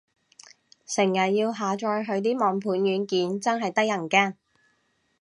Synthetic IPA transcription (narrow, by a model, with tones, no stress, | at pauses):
sɪ˨˩ŋjɐ˨t̚jiː˧wɦaː˨˧t͡ʃɔː˧jɦɵ˨˧ɥt̪iː˥mɔː˨˩ŋpʰuː˨˧˥njyː˨˧nkiː˨˥nt͡sɐ˥nɦɐ˨jt̪ɐ˥k̚jɐ˨˩ŋkɛː˥˩